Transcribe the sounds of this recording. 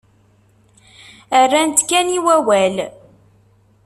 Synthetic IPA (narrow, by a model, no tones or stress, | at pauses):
ərːænt̪kːæniwæwæl